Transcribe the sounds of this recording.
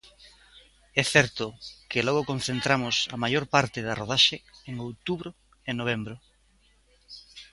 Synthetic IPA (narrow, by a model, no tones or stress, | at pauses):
ɛθɛɾt̪ʊkelɔɣ̞okõn̟θent̪ɾamʊsɐmajoɾpaɾt̪ɪðɐroð̞aʃeeŋowt̪uβɾʊ | enoβ̞ɛmbɾʊ